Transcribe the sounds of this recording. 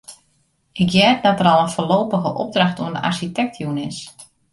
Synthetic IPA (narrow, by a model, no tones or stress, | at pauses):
ɪkjɛt̚dɔtəɾɔlˠənfoloːpəɣəʔɔ̰b̚drɑxtuəndəʔa̰rʃitɛk̚tʰjunɪs